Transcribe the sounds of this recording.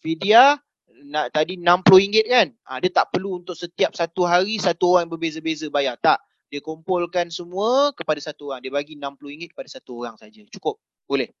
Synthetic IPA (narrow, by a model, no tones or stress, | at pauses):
fidia | naʔt̪adinãmploiŋɡɪt̪̚kanadət̪aʔpərluːnt̪ʊk̚sət̪iap̚sat̪uɦaɾisat̪uoɾaŋbərbezəbezəbajat̪aʔ | diəkompɔlkansəmũəkəpadasat̪uoɾaŋdiəbaɡinãmploiŋɡɪt̪̚kəpadasat̪uoɾaŋsad͡ʒat͡ʃu̥kʊp̚ | bolɛh